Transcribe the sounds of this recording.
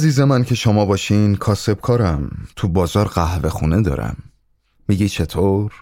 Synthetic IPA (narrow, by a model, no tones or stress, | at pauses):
ziːzemæncʰe̞ʃomɒːbɒːʃinkʰɒːse̞b̥kʰɒːɾæmt̪ʰubɒːzɒːɾɢæhve̞xṵːne̞d̪ɒ̰ːɾæ̰mː | iːɟiːt͡ʃʰe̞t̪ʰoɾ